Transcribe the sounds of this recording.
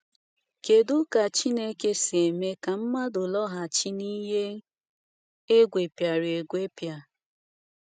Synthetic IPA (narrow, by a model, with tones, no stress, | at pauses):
ke˨dʊ˦ka˨t͡ʃi˦ne˦ke˦se˨me˦ka˨m̩˦ma˦dʊ˨lɔ˦ɦa˨t͡ʃi˦ni˦ɦe˦ | e˦ɡʷe˨pja˨ɾe˨ɡʷe˦pja˨